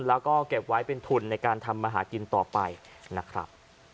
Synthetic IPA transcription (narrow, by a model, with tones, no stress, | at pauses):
nlɛː˦˥wkɔː˥˩ke˨˩p̚wa˦˥jpe˧nt̪ʰu˧˩nːa˧jkaː˧nt̪ʰa˧mːaː˧ɦaː˩˦ki˧nt̪ɔː˨˩pa˧j | na˦˥kʰɾa̰˦˥p̚